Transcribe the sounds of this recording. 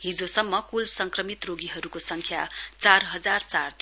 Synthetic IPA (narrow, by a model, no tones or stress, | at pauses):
ɦid͡zosʌmːʌkulsʌŋkrʌmit̪roɡiɦʌɾukosʌŋkʰjat͡sarɦʌd͡zart͡sart̪